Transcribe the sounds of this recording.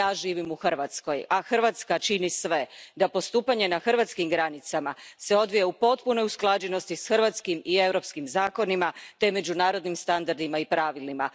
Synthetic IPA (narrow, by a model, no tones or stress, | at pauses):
aːʒiːʋimuxr̩ʋat̪sko̞jaxr̩ʋat̪skat͡ʃinisʋe̞d̪apo̞st̪uːpaɲe̞naxr̩ɾʋat̪skimɡɾanit̪samase̞o̞d̪ʋijeupo̞t̪puno̞jusklˠad͡ʑe̞no̞st̪isxrʋat̪skimie̞wɾo̞pskimzaːko̞nimat̪e̞me̞d͡ʑunaːɾo̞d̪nimst̪and̪aɾd̪imaipɾaʋilima